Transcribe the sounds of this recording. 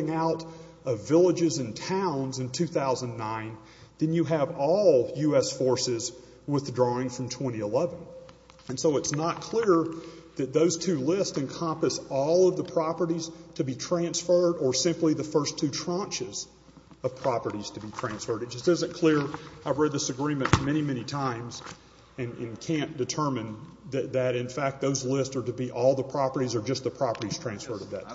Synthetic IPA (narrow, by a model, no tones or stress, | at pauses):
ɪ̃ŋaʊɾ | ʌvɪlˠəd͡ʒɨzɨ̃ntʰãʊ̃nzɨ̃ntʰʉθaʊzə̃nːãɪ̃n | ðɨ̃njɨːvɔlˠjʉɛsfɔɹsɪz | wɪθdɹɔɪ̃ŋfɹʌ̃mtʰw̥ɛ̃ɾ̃iəlɛvɨ̃n | ɨ̃nsoʊɨtsnət̚kʰl̥ɪɹðɨt̪̚ðoʊz̥tʰʉlɪstɨ̃nkʰɑ̃mpɨsɔlˠʌvðəpʰɹ̥ɑpə˞ɾiz̥tʰɨbitʰɹ̥æ̃nsfɜ˞ɾə˞sɪ̃mpliðɨfɜ˞stʰʉtʰɹ̥ɑ̃nt͡ʃɨz | ʌv̥pʰɹ̥ɑpə˞ɾiz̥tʰɨbitʰɹ̥æ̃nsfɜ˞ɾɨt̚dʒ̥ʌstʌzɨ̃nkʰl̥ɪɹaɪvɹɛd̪̚ðɪsɨɡɹĩmɨ̃nmɛɾ̃imɛnitʰãɪ̃mz | ɨ̃nɨ̃nkʰæ̃nd̥ɨtʰɜ˞mɨ̃nðɨðɨɾɨ̃nfæk̚t̪̚ðoʊzlɪstsə˞ɾɨbiʔɔlˠðəpʰɹ̥ɑpə˞ɾizə˞d͡ʒʌst̚ðəpʰɹ̥ɑpə˞ɾiz̥tʰɹ̥æ̃nsfɜ˞ɾʌvðɨ̰t̚